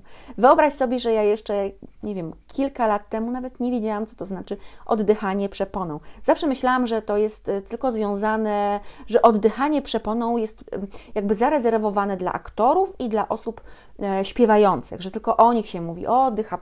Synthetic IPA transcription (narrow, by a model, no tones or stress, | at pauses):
vɘɔbɾaɕsɔbʲjɛʐɛjajɛʂt͡ʂɛɲɛvʲjɛmkʲʰilkalat̪ːɛmunavɛt̪ɲevʲjed͡ʑawamt̪sɔ̥t̪ɔznat͡ʂɘʔɔ̰d̪ːɘxaɲɛpʂɛpɔnɔ̃w̃zafʂɛmɘɕlawamʐɛt̪ɔjɛst̪ːɘlkɔzvʲjɔ̃w̃zanɛʐɛʔɔd̪ːɘxaɲɛpʂɛpɔnɔ̃w̃jɛst̪jaɡbɘzaɾɛzɛɾvɔvanɛd̪la̰ʔa̰kt̪ɔɾufid̪laʔɔsup | ɕpʲjɛvajɔnt̪sɘ̰ɣʐɛt̪ɘlkɔʔɔɲixɕɛmuvʲḭʔɔd̪ːɘxa